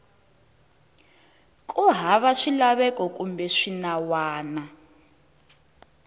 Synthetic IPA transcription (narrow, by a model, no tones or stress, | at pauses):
kʼuɦaβaʂilaβɛkʼɔkʼumbɛʂinawaːna